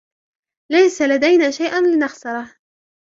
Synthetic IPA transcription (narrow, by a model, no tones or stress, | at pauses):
lajsalad̪ajnaːʃajʔanlɪnɑxsɑɾˤɑh